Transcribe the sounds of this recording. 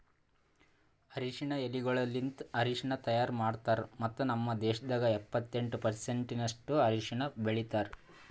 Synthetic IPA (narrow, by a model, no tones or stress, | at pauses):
ɐɾiʂiɳɐeliɡɐɭɐlːint̪ɐɾiʂiɳɐt̪ɐjaːɾmaːɽt̪aːɾmɐt̪ːunɐmːɐd̪ɛːʂɐd̪ɐɡɐɛpːɐt̪ːe̞ɳʈupɐɾse̞ɳʈinɐʂʈuɐɾiʂiɳɐbeɭit̪aːɾ